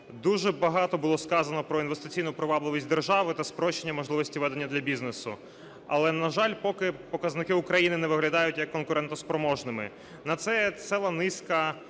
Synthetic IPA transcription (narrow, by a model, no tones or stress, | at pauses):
d̪uʒɛbɐɦɑt̪ɔbʊlˠɔskɑzɐnɔpɾɔinʋest̪ɪ̥t͡sʲijnʊpɾɪʋɑblˠɪʋʲisʲtʲd̪erʒɑʋɪt̪ɐspɾɔʃenʲːɐmɔʒlˠɪʋɔsʲtʲiʋɛd̪enʲːɐd̪lʲɐbʲiznesʊ | ɐ̰lˠɛnɐʒɑlʲpɔkɪpɔkɐznɪkɪʊkɾɐjinɪnɛʋɪɦlʲɐd̪ɑjʊtʲjɐkːɔnkʊɾɛnt̪ɔspɾɔmɔʒnɪmɪ̰ | nɐt̪sɛsɛlˠɐnɪskɐ